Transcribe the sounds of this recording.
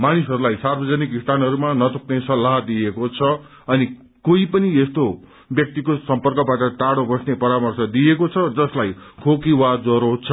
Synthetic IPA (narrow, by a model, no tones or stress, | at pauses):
manisʌɾulajsarbʌd͡zʌnikist̪ʰanɦʌɾumanʌt̪uknesʌlːaɦd̪iekot͡sʰʌ | ʌni | koipʌniest̪o | bjʌk̚t̪ikosʌmpʌrkʌbaʈʌʈaɽobʌsnepʌɾamʌrsʌd̪iekot͡sʰʌd͡zʌslajkʰokiwad͡zoɾot͡sʰʌ